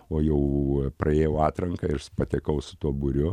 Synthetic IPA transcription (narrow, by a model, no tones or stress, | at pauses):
oːjɛʊprʔɐeːjɛʊɑːt̪ɾɐŋkɐɪrspɐt̪ʲɛkɐʊsʊ̥t̪uɔbʊɾʲʊ